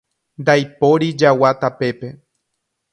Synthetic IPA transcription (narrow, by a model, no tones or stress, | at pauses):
nd̪ajpo̞ɾid͡ʒawat̪ape̞pe̞